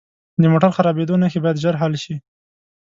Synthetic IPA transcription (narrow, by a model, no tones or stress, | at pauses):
d̪əmoʈaɾxaɾɑbed̪onaxebɑjad̪ʒaɾɦalʃi